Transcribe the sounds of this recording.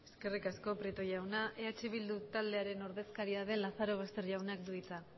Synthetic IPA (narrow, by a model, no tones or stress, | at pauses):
e̞ske̞rikasko̞pɾit̪oʝawnaʔe̞at͡ʃeβ̞ild̪ut̪ald̪e̞aɾe̞no̞ɾðe̞skaɾiaðe̞nlaθaɾo̞β̞est̪e̞ɾʝawnakd̪uit͡sa